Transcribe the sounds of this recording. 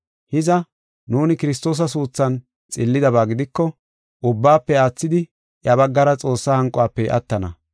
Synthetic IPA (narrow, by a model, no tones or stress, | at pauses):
hɪzɐ | nuːnɪkɪɾɪs̬t̪o̞ːs̬ɐs̬uːt͡sːɐn | t͡sʼɪlːɪd̪ɐβaːɡɪd̪ɪkːɔ | ʔʊbːaːpːɛaːt͡sːɪd̪ɪ | ʔjɐβɐɡːɐɾɐt͡sʼo̞ːsːahɐŋkʼːɔaːpːɛʔɐ̰t̪ːɐnɐ̰